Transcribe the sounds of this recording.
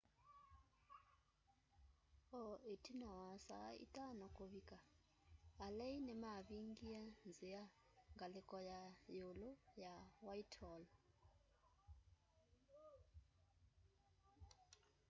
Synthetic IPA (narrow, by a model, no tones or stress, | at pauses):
ɔetinawasaḭtanɔkoβika | alɛinɛmaβiŋɡianzɪa | ŋɡalɪkɔjajolojawaitʰɔlɔ